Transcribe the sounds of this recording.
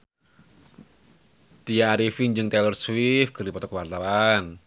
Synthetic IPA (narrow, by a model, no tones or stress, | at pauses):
t̪ijaːɾifiŋd͡ʒɨŋt̪ɛlərswifɡərdipɔt̪ɔkəwart̪awan